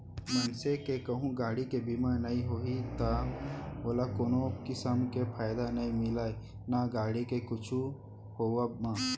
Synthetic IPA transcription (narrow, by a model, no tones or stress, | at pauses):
mənsekekɐɦũɡaːɽikebimanɐiɦoɦit̪aʋɐlakoːnokɪsəmkepʰaːjd̪anɐĩmɪlaːi | naɡaːɽikekʊt͡ʃʰu | hoːwamãː